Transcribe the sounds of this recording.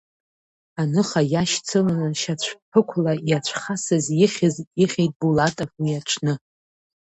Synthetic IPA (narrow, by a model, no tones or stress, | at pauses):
anɨχajaʃt͡sʰɨlanɨʃat͡ɕʷʰpʰɨkʷʰlajat͡ɕʷʰχasɨzjɪχʲɪziχʲejtʼbulatʼofwiaʈ͡ʂʷʰnɨ